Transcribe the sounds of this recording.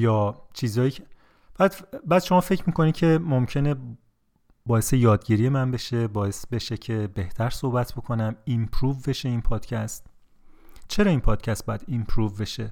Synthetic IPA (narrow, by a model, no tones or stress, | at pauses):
jɒːt͡ʃʰiːzɒːjiːcʰe | bææd̪bæːd̪̥ʃo̞mɒːfe̞cʰmiːkʰo̞nid̪cʰe̞momcʰe̞ne | bɒːjesejɒːd̪ɟiːɾijemænbe̞ʃe̞bɒːje̞sbe̞ʃe̞cʰebe̞ht̪ʰæɾsohbæt̪ʰb̥o̞kʰo̞næmimpʰɾuːvbe̞ʃe̞iːnpʰɒːd̪̥cʰæst̪ | t͡ʃʰe̞ɾɒːinpʰɒːd̪̥cʰæst̪̚bɒːjæd̪impʰɾuːvbe̞ʃe